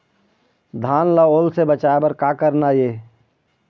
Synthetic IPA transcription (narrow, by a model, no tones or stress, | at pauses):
d̪ʱaːnlaoːlsebət͡ʃaːebəɾkaːkəɾnajeː